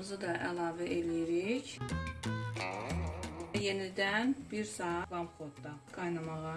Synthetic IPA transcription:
ɯzɯd̪ɑʔælˠɑːvæʔelijiɾiç | je̞nid̪ænbiɾsɑːɑvɑmχot̪d̪ɑɡ̥ɑjnɑmɑʁɑ

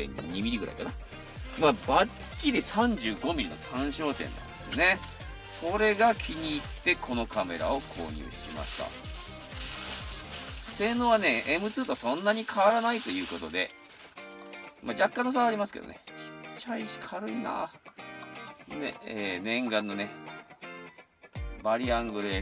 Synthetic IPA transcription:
ḛ̃ɲ̰ɲʲiɲimʲiɾiɡɯɾa̰ikana | maba | kʲːid̪esãɲ̟d͡ʑɨːɡo̞mʲiɾʲino̞̰t̪ʰãɰ̃ɕo̞ːt̪ẽ̞̰nːã̰nd̪esɨne̞ | so̞ɾe̞ɡakʲʰiɲ̟iːt̪ːe̞kʰo̞nokame̞̰ɾa̰o̞kʰo̞̰ːɲ̟ʲɨ̰ːɕi̥ḭma̰ɕi̥t̪a̰ | se̞ːnoːβane̞ʔemɯ̟t͡sɨːt̪osõ̞nːaɲ̟ikʰaβaɾanait̪o̞jɯ̟ːko̞t̪o̞d̪e̞̰ | mad͡ʑakːãnːos̬aaɾʲimasɨ̥ke̞d̪o̰nḛɕi̥t͡ɕːaiɕi̥kʰaɾɯ̟ina̰ː | d̪ḛeːnẽ̞ŋɡãnːo̞ne̞ | baɾʲiãŋɡɯ̟ɾe

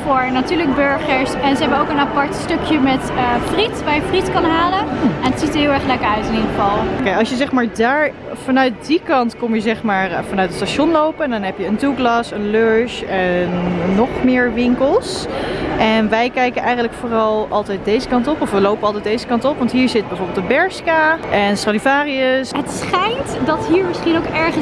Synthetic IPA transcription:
fʊːɹnatyːɹləɡ̚bøɹχəɹsɛnzəɦɛbəowkənapɑɹtstɵkʰjəmɛtəfritʋaːɹjəfritkɑnɦaːləɛnətsitəɦɪːlˠɛɹχlɛkəɹœɥtɪnidχəvɑlˠokejɑlˠsjəzɛχmaːɹdaːɹ | vɑnœɥt̚dikɑntkɔmjəzɛχmaːrfɑnœɥtətstaʃɔnlowpəndɑnɦɛpjəəntuɡlɑsənløɹʃɛnːɔχmɪːɹʋɪŋkəlˠsʔɛnʋɛjkɛjkənʔɛjxχənləkfoːrɑlˠʔɑlˠtɛjt̚dejzəkɑntɔpɔfʋəlowpənɑlˠtɛjdejzəkɑntɔpʋɑntɦiːɹzɪt̚bɛjvoɹbɪlˠdəbɛɹskaʔɛnstalivaːriəsɦətsχɛjntdɑtɦiːɹmɪsχinowkɛɹχə

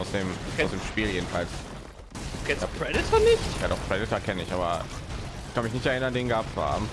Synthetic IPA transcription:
ʊsd̥eːmʊsd̥eːmʃpiːljeːdn̩fals | kʰɛpʰʁɛdɪtʰɐnɪçtja̰ːdɔχpʰʁ̥ɛdɪtɐkʰɛnəɪçʔaːbɐ | kʰanmɪçnɪçtɛɐɪnɐndeːnɡap̚t͡suha̰ːbm̩

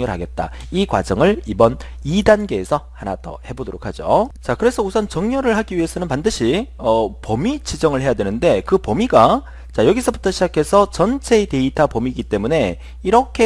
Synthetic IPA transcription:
ɲoɾɭɦaɡe̞t̚t͈a̰ | ikwa̰d͡ʑʌŋɯɭibʌn | idanɡe̞ːsʰʌhanadʌ̰he̞bodoɾokʰad͡ʑot͡ɕakɯɾe̞sʰʌusʰʌnt͡ɕʌŋɲʌɾɯɭɦaɡiɥie̞sʰʌnɯnpandɯɕʰiʌpʌmit͡ɕid͡ʑʌŋɯɭɦe̞jadwe̞nɯnde̞kɯpʌmiɡa | t͡ɕajʌɡisʰʌbutʰʌɕʰid͡ʑakʰe̞sʰʌt͡ɕʌnt͡ɕʰe̞ide̞itʰapomiɡit͈e̞mune̞ | iɾʌkʰe̞

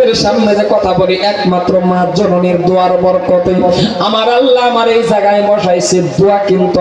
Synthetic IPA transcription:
eɾʃamned͡ʑekɔt̪ʰaboliʔɛkmat̪ːɾomãd͡ʒononiɾd̪oaɾɔbɔɾkɔt̪ejɔamaɾalːaamaɾejd͡ʑaɡajbɔʃajsʰed̪oakint̪u

